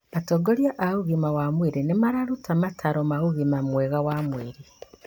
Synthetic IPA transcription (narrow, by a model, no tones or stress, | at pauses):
atoɡoɾjaʔahuɣimawamweɾenemaɾaɾutamatʰaɾɔmaɣuɣimamwɛɣawamweɾi